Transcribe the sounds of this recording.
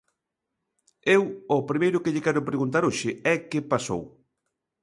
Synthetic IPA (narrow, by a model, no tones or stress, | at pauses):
ewʊpɾimejɾʊkɪʎɪkɛɾʊpɾeɣunt̪aɾoʃɪɛkɪpaso̰w